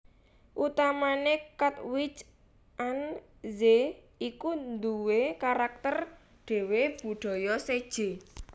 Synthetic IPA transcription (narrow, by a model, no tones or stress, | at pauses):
ʔut̪amanekat̪wit͡ʃ | ʔan | ze | ikund̪uwekaɾak̚t̪ər | ɖ̥e̤web̥ṳɖ̪̥ɔ̤jɔsed̥ʒ̥e̤